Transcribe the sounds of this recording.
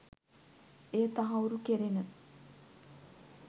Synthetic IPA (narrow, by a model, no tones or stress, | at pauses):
eːt̪aɦauɾukeɾenə